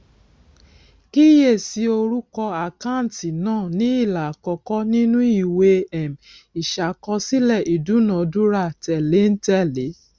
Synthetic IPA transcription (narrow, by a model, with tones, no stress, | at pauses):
ki˦je˦˨si˧˦o˧ɾu˦kɔ˧a˨ka˦˨n˨ti˨nãː˦˨nĩ˨˦i˦˨la˨kɔ˧kɔ˦nĩ˦nũ˦i˦˨we˧ɛ˨m | i˨ʃa˨kɔ˧si˦lɛ˦˨ʔi˨du˨˦nã˨du˦ɾa˦˨tɛ˨le˨˦n̩˦tɛ˦˨le˨˦